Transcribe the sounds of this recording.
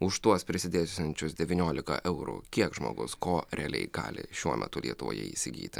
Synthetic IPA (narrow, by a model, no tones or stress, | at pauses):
ʊʃt̪uɔspʲɾʲɪsʲɪd̪ʲeːsʲɛnʲt͡ʃʲʊsd̪ʲɛʋʲinʲoːlʲɪkɐ̰ʔɛʊɾṵkʲiɛkʒmo̰ːɡʊskoːɾʲɛɐlʲɛ̰ɪɡ̥ɑ̰ːlʲɪ̰ʃʲuɔmʲʔɛ̰t̪ʊlʲiɛt̪ʊʋo̰ːjɛ̰ḭːsʲɪɡʲḭːt̪ʲɪ